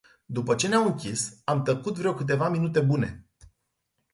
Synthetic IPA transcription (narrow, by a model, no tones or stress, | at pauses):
d̪upət͡ʃe̞neamɨŋkʲisamt̪əkut̪vɾeo̞wkɨt̪̬e̞vaminut̪e̞bune̞̰